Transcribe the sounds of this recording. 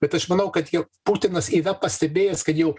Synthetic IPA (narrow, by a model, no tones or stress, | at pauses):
b̥ʲɛt̪ɐʃmɐnɐʊkɐt̪jɛʊpuːt̪ʲɪnɐsidɐpɐsʲt̪ʲɛbʲeːjɛskɐt̪jɛʊ